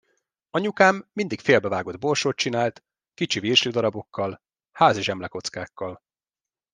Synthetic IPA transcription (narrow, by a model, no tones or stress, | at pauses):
ɒɲukaːmːind̪ikfeːlbɛvaːɡo̞d̪̚bo̞lʃoːt̪̚t͡ʃinaːlt̪ | kit͡ʃiviːrʃyd̪ɒɾɒbo̞kːɒl | haːziʒɛmlɛko̞t̪skaːkːɒl